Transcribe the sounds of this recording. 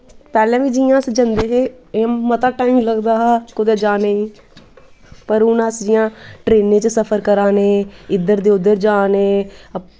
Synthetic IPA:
pɛːlɛ̃ːʋiːd͡ʒiːjãːsd͡ʒənd̪eːɦeːemət̪aːʈaːimləɡd̪aːɦːt͡ʃkod̪eːd͡ʒaːneːĩː | pəɾʊnəsd͡ʒɪjãːʈɾeːnẽːt͡ʃəsəpʰəɾkəɾaːnẽːɪd̪əɾd̪eːʊd̪ːəɾd͡ʒaːnẽː

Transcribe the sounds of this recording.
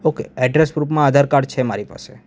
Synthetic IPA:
okḛɛɖɾesɡɾupmãad̪ʱaɾkaɾɖ̚t͡ʃʰema̰ɾipa̰se

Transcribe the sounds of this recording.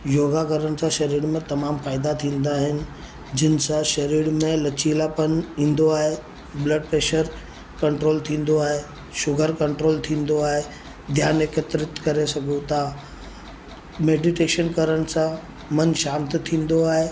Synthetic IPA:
joːɡakəɾənɪ̆sãʃɐɾiːɽmẽt̪ɐmaːmfaːɪd̪at̪ʰĩːn̆d̪aːɦɪnɪ̆ | d͡ʑɪnɪ̆sãʃɐɾiːɽmẽlɐt͡ɕiːlapənĩːnd̪oaːɦe | bləɖ̚pɾeːʃəɾ | kɐ̃ɳʈɾoːlt̪ʰĩːn̆d̪oaːɦe | ʃʊɡʱəɾkɐ̃ɳʈɾoːlt̪ʰĩːnd̪oaːɦe | d̪ʱjaːnɪkət̪ɾɪt̪kɐɾesɐɡʱut̪ʰa | meːɖɪʈeːʃənkɐɾəñɪ̆sã | mɐnʃaːmt̪t̪ʰĩːnd̪oaːɦe

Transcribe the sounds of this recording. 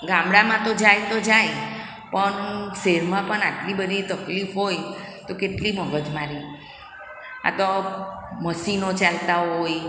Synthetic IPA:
ɡãmɽamãt̪od͡ʒajt̪od͡ʒaj | pəɳseɾmãpəɳaʈlibəd̪ʱit̪əklifɦoj | t̪okeʈliməɡəd͡ʒmaɾi | a̰t̪o | məsinot͡ʃalt̪aɦoj

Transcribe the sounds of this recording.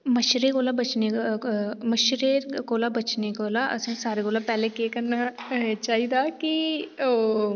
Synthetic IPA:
mɐʃɾekoːlabɐt͡ʃne | mɐʃɾekoːlabɐt͡ʃneɡoːlaʔɐ̰sẽsaːɾekoːlapɛːlekekɐɾnat͡ʃaːɦid̪akioː

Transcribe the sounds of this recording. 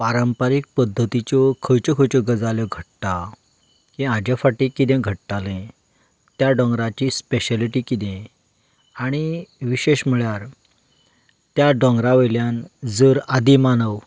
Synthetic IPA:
paɾəmpaɾik̚pəd̪ʱːət̪it͡ɕɔkʰəjt͡ɕɔkʰəjt͡ɕɔɡəd͡zaljɔɡʱəʈʈa | kĩãd͡ʑafaʈikːid̪ẽɡʱəʈʈalẽ | t̪jaɖɔ̃ŋɡɾat͡ɕispeɕəliʈikid̪ẽ | aɽ̃iʋiɕeɕm̤əɭjaɾ | t̪jaɖɔ̃ŋɡɾaʋəjljand͡zəɾad̪imanəʋ

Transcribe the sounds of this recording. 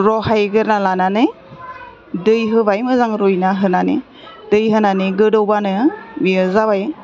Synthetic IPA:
ɾɔɦajɡɯɾnalananɯ | dɯjɦɯbajmɯzaŋɾujnaɦɯnanḭ | d̥ɯjɦɯnaniɡɯdɯwbanɯmiɯzabaj

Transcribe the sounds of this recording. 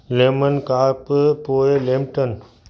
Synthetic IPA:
leːmənkaːppoːelẽːmʈən

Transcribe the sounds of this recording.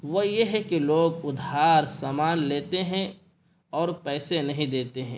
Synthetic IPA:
ʋojeɦɛkiloːɡʊd̪ɦaːɾsaːmaːnleːt̪eɦɛ̃ | ɔːɾpɛːsenɐɦĩd̪eːt̪eɦɛ̰̃ː

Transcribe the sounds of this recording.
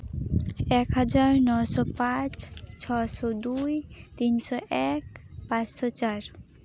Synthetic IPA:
ekɦəd͡ʒaɾnɔsɔpãt͡ʃt͡ʃʰɔsɔd̪ujt̪insɔʔekpãt͡ʃsɔt͡ʃaɾ

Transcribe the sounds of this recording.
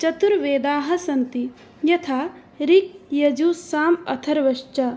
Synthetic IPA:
t͡ʃɐt̪uɾʋeːd̪aːɦɐ̆sɐnt̪i | jɐt̪ʰaː | ɾik̚jɐd͡ʒuːsaːmɐ̰t̪ʰɐɾʋɐʃt͡ʃɐ

